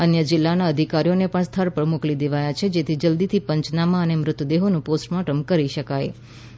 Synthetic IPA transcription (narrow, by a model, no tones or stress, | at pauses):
ənjəd͡ʒɪlːanaəd̪ʱikaɾijonepəɳst̪ʰəɾpəɽmuklid̪eʋajat͡ʃʰed͡ʒet̪ʰid͡ʒəld̪it̪ʰipəɲt͡ʃnamãənemɾʊt̪əd̪eɦonũposʈmaʈəmkəɾiʃəkaj